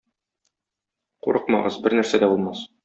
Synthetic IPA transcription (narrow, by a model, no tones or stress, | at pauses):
quɾɤqmɑ̰ʁɤzbɘɾnæɾsæd̪æbulˠmɑs